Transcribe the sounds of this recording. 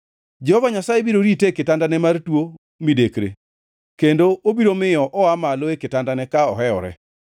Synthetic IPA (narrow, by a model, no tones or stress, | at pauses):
d͡ʒɛhɔvaɲasajebiɾoɾitekɪtandanɛmartwo | midekɾḛ | kendoobiɾomɪjɔʔɔamaloekɪtandanɛkaɔɦɛɔ̰ɾɛ̰